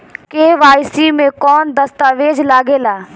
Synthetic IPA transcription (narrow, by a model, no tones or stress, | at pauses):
keːʋaːjsimẽkɔːnd̪ɐst̪aːʋeːd͡ʒlaːɡeːlaː